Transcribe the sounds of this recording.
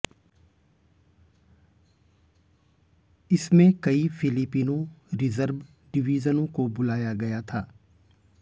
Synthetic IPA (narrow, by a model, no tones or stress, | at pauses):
ɪsmẽkɐifʰɪlɪpiːnõɾɪzəɾʋ | ɖɪʋiːzənõkobʊlaːjaɡɐjat̪ʰaː